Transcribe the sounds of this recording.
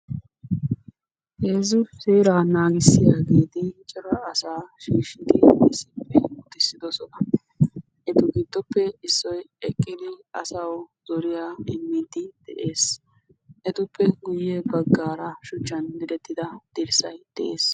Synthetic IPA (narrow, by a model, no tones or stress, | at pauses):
heːzʊseːɾaːnaːɡɪsːɪjaːɡeːt̪ɪt͡ʃʼɪɾɐːsaːʃiːʃɪt̪ɪɛsɪ̥pːɛʊt̪ːɪsːɪd̪ɔsɔnɐ | ɛt̪ʊɡɪd̪ːɔpːɛɪsːɔjɛkʼːɪd̪ɪɐsawzɔɾɪjaːɪmːɪd̪ɪd̪̥ɛʔeːs | ʔɛt̪ʊpʰːɛɡʊjːebɐɡːaːɾɐʃʊt͡ʃːɐnbɪd̪ɛt̪ːɪd̪ɐd̪̥ɪɾsɐjd̪̥ɛʔeːs